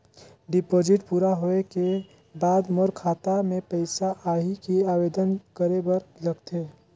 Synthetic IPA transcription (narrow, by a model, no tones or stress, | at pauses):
ɖɪpoːd͡ʒɪʈpuːɾaɦoeke | baːd̪moɾkʰaːt̪amẽpəɪsaʔaːɦikiaːʋeːd̪ənkəɾebɐɾlɐɡt̪ʰeː